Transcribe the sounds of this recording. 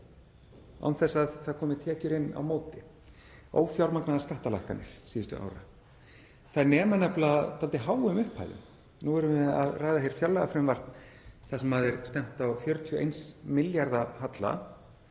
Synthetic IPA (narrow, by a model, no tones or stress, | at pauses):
a̰wnθɛsːaðθaðkʰɔːmɪt̪ʰɛːcʏɾɪnːa̰wmoːwt̪ɪ | o̰ːwfjawɾmaknaðaskaht̪ala̰jhkanːɪ̰ɾ̥siːðʏst̪ʏ̰ʔa̰wɾa̰ | θaðnɛːmanɛhplat̪ʰalt̪ɪɦaːwʏmʏhpʰa̰jðʏ̰m | nuɛɾʏmɛða̰ðraːjðahejɾ̥fjœlːaɣafɾɪmvar̥t̪nθasɛmhaðɪɾst̪ɛm̥t̪awfjœɾʏt̪ʰjɔḛjnsmɪljaɾðahat̪la̰